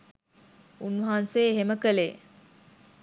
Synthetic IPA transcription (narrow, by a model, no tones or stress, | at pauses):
unʋɐɦanseːɦeməkəle